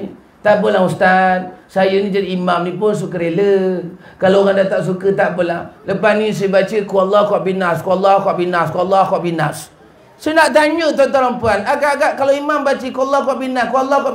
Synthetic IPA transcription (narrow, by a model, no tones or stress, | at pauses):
t̪aʔbəlaŋust̪at̪̚sajənid͡ʒadiimamnipʊns̬ukəɾelə | kalooɣaŋdat̪aʔs̬ukət̪aʔbəlaŋləpanis̬ajəbat͡ʃəkualːɔkuaʔbinaskualːɔkwaʔbinaskualːɔkwaʔbinas | sonaʔt̪aɲuʔt̪̬at̪aɾampuanaɡaɡaʔkaloimambat͡ʃəkualːakwaʔbinaskualːaka